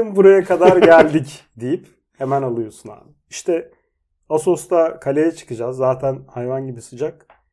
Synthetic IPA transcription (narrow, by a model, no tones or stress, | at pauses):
nbuɾajakʰad̪aɾɟælʲd̪icd̪ijip | he̞mænalˠɯjo̞suna̰n | iʃt̪ʰɛ | aso̞st̪akʰalʲejɛt͡ʃʰɯ̥kɯd͡ʒazːaːt̪ʰænhajvanɟibisɯd͡ʒak̚